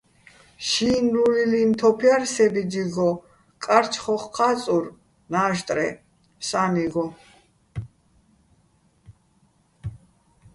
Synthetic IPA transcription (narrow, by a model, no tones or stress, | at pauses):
ʃiːnlulilint̪ʰɔpʰiaɾsɛbid͡ʒiɡɔ | kʼaɾt͡ʃʰχɔχqʰʼat͡sʼuɾ | naːʃt̪ʼɾɛ̰ | saniɡɔ